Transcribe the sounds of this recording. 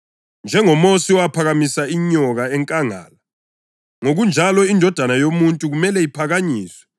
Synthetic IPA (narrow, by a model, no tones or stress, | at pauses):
nd͡ʒʱɛŋɔmosiɔwapʰaɣamisaiɲɔɣaɛŋkʼaŋa̰ːla | ŋoɣund͡ʒʱalɔindʱɔd̥ʱanajomuntʼuɣumɛlɛipʰaɣaɲiːswɛ̥